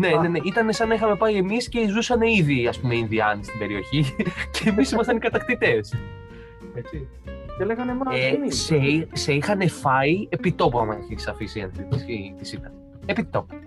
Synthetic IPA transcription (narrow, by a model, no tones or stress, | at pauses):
ne̞ne̞ne̞ʔit̪ɐne̞sɐnixɐme̞pɐie̞misce̞zusɐne̞iðiɐspume̞inðiɐnist̪ibe̞ɾio̞çiceːmisimɐsɐnikɐt̪ɐkt̪it̪e̞s | et͡si | eleɣɐnemɐeseiseixɐne̞fɐie̞pit̪o̞puɐmɐçisɐfisiɐ̰nθit̪isit̪isit̪ɐn | epit̪o̞pu̥